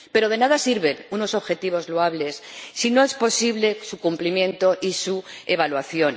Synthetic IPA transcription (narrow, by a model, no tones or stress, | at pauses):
pe̞ɾo̞ð̞e̞naðasiɾβe̞nuno̞so̞βxe̞t̪iβ̞o̞zloaβle̞sːino̞e̞spo̞siβle̞sukumplimjẽ̞nt̪o̞ʔisueβalwaθjo̞n